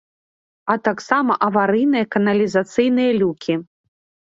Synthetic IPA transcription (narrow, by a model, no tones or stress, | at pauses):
ɐt̪aksamɐʔɐvaɾɨjnɨjɐkɐnɐlʲizat̪sɨjnɨjɐlʲukʲʰi